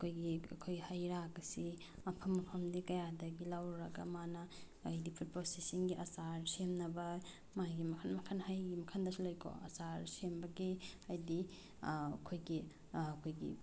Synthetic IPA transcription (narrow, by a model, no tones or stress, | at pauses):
ɐkʰojɡiɐ̰kʰojhajɾaɡɐsi | ɐpʰɐmɐpʰɐmdikɐjadɐɡilawɾɐɡɐmanɐː | jdipʰut̚posesinɡiʔɐsaɾsemnɐbɐ | majɡimɐkʰanmɐkʰanhajɡimɐkʰandɐsilojkʰo̰ɐ̰saɾsembɐɡiɐjdi | ɐkʰojɡi | kʰojɡḭ